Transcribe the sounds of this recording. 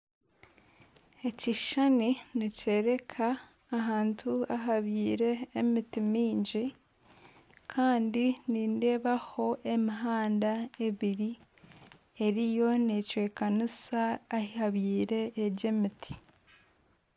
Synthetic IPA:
e̞ciʃaniniceɾe̞kʰaː | ɦaːntʰuaɦaβiːɾe̞ːmitimiːɲɟi | kʰaːndiniːnde̞ːβaho̞ʔe̞miɦaːndae̞βiɾi | e̞ɾijo̞ne̞cwe̞ːkanisaːhihaβiːɾe̞ːɟe̞mitʰi̥

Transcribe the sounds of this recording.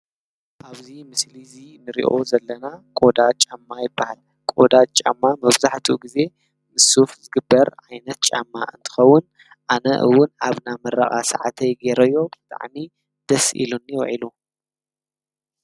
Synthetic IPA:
ʔaβzimɨslizinɨɾḭʔo̞zɐlːɐnakʼo̞d̪at͡ʃʼamːajɪbːahal | kʼod̪at͡ʃʼa̰mːamɐβzaħt̪ʰuɡize̞ | mɨsufzɨɡɨbːɐɾʕajnɐt̪̚t͡ʃʼa̰mːaʔɨnt̪ʰɨ̥xɐwːʊn | ʔanɐʔɨ̰wːʊnaβnamɐɾɐ̰xʼa̰sa̰ʕat̪ʰɐjɡeɾɐjːo̞bɨt̪ʼa̰ʕmi | d̪̥ɐsʔḭlunjɪwʕilu

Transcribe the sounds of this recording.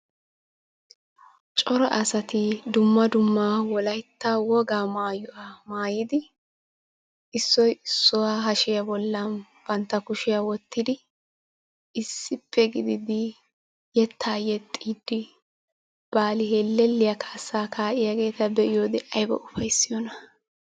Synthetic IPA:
t͡ʃʼɔɾɔʔɐsɐt̪ɪd̪ʊmːɐd̪ʊmːaːwɔlɐjt̪ːawɔɡaːmaːjʊwamaːjɪd̪ɪ | ɪsːɔjɪsːʊwaːɦɐʃɪjɐbɔlːɐn | b̥ɐnt̪ːɐkʊʃɪjawɔt̪ʰːɪd̪ɪ | ɪsːɪpʰːɛɡɪd̪ɪd̪ɪ | jɛt̪ʰːaːjɛt̪ʼːiːd̪ːɪ | b̥aːlɪɦeːlːɛlːɪjɐkʰaːsːaːkʰaːʔɪjɐɡe̞ːt̪ɐbɛʔɪjoːd̪ɪʔɐjbɐ̰ʔʊfɐjsːɪjɔnɐ

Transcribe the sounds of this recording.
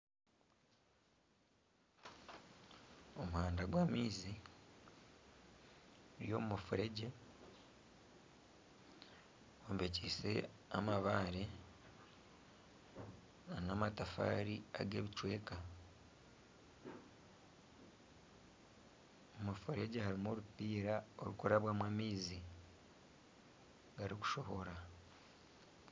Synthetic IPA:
o̞muhaːndaɡwaːmiːzi | ɾjo̞̰mumufuɾe̞ɟe̞ | ombeciːse̞ | a̰maβaːɾe | anamatafa̰ːɾia̰ɡe̞ːβit͡ʃwe̞ːka | omafuɾe̞ɟehaɾimoɾupiːɾao̞̰ɾukuɾaβwamwamiːzi | ɡaɾiku̥ʃo̞ho̞ɾa

